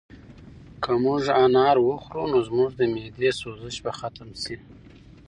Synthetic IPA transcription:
kʰəmuʐanɑɾwəxɾunozmuʐd̪əmed̪esozəʃbaxat̪əmsi

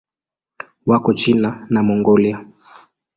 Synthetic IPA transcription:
wakɔt͡ʃinanamɔŋɡɔlja

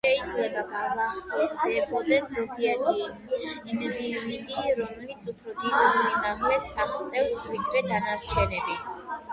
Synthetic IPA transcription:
ʃɛid̪zlɛbaɡaɾvaχɔd̪ɛkʰɔzɛsɔpʰiɛt̪ʰi | nvividiɾɔmɛlit̪sʰupʰɾɔd̪it̪asimaʁlɛsaχʰt̪sʼɛfsvid̪ɾɛd̪anaɾt͡ʃʰɛnɛbi

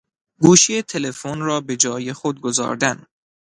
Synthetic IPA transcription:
ɡuːʃijet̪ʰe̞lefonrɒːbe̞d͡ʒɒːjexod̪̚ɡozɒ̰ːɾd̪æn

